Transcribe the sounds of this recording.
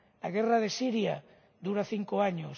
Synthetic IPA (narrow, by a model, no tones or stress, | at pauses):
laɣeraðesiɾja̰ | ðuɾaθiŋkoaɲos